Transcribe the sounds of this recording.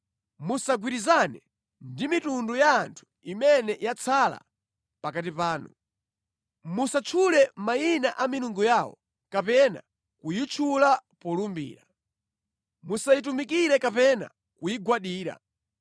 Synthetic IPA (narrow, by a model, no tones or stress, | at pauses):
musaɡwiɾizanɛ | ndimitundujaːntʰu̥ | imɛnɛjat͡sʰala̰ | pakat̬ipaːnu | musat͡ʃʰulɛmajinaʔamiɾuŋɡujawɔ̰ | kapɛna̰ | kujit͡ʃʰulapɔlumbḭːɾa | musajit̬umikiɾɛkapɛna̰ | kujiɡwaɗiːɾa̰